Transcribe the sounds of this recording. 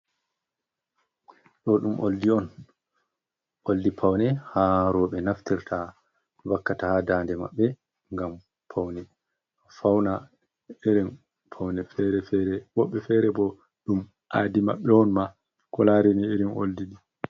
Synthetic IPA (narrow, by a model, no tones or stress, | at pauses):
ɗɔɗumʔoldiɔn | ʔoldipʰawnɛhaɾɔɓɛnaftiɾtʰa | wakːatahadaːndɛma̰ɓːɛ | ŋɡam | pʰawnɛ | fawna | eɾɛn | pʰawnɛfɛɾɛfɛɾɛɓɔɓːɛfɛɾɛbɔ | ɗum | ʔaːdima̰ɓːɛɔnma | kɔlaːɾɛnieɾinʔo̰ldidi